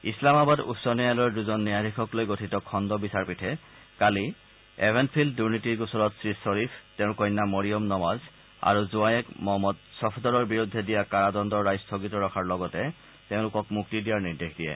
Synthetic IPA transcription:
islamabadṵtsɔnijalojɛduzɔnːijadʱikʰɔklojɡotʰitɔkʰɔndɔbisaɹpitʰɛ | kali | ebʱɛnpʰildːuɹnitiɹɡusɔɹɔtsɹisɔɹipʰtɛʊ̃kɔjnːamɔɹijɔmnɔmaz | a̰ɹuzuajɛkmɔmɔt̚sɔpʰdɔɹɔɹbiɹudʱːɛdijakaɹadɔndɔɹɹajstʰoɡitɔɹɔkʰaɹlɔɡɔtɛ | teʊ̃lʊkɔkmuk̚tidijaɹniɹdexdijɛ̰

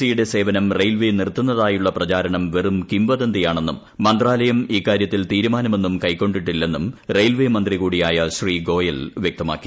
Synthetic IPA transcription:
sijuɽe̞se̞ːʋɐnɐmrejlʋenirt̪ːunːɐðaːjuɭːɐprɐt͡ɕaːɾɐɳɐmʋerumkimʋɐðɐnd̪ijaːɳe̞nːumːɐnd̪raːlɐjɐmiːkːaːɾjɐt̪ːilt̪iːɾumaːnɐme̞nːumkɐjkːo̞ɳɖiʈːilːe̞nːumrejlʋemɐnd̪riɣuːɽijaːjɐɕriːɡo̞ːjɐlʋjek̚t̪ɐma̰ːkːi̥

